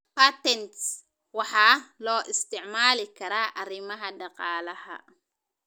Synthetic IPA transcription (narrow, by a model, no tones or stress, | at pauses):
pat̪ɛnt̪s | waħaloːʔɪst̪ɪʕmaːlikɐɾaʔaɾimɐɦadɐqaːlɐha̰